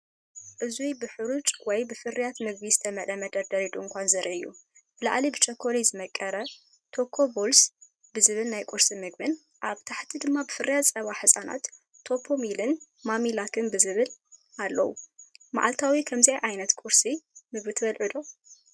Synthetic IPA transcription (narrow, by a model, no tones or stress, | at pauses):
ʔɨzujbɨħɨɾut͡ʃʼwɔjbɨfɨrijat̪mɨɡ̚bizɨt̪ʰɐmɐᶑ̪ɐmɐd̪ɐɾd̪ɐɾid̪uɨŋkʷʰanzɐɾʔḭʔɨjːṵbɨlaʔa̰libɨt͡ʃʼɐkʰːolizɨmɐkʼːɐɾɐ | t̪ʰo̞kʰːo̞bols | bɨzɨβɨlnajkʼuɾsimɨɡ̚bɨn | ʔaβt̪ʰaħt̪ʰid̪ɨmːabɨfɨɾijasʼɐβaħɨsʼana̰t̪ʰː | o̞pʰomilɨn | mamilakʰɨnbɨzɨβɨlʔalːɐwṵma̰ʕalt̪ʰawikʰɐmzajʔajnɐt̪kʷʼʊɾsimɨɡβit̪ʰɨβɐlʕɨd̪o̞